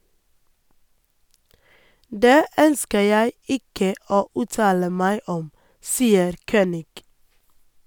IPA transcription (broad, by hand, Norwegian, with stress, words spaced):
ˈdeː ˈœnskə ˈjæɪ ˈɪkə ˈoː ˈʉːtɑːlə ˈmæɪ ˈɔm ˈsiːəɾ ˈçøːnɪɡ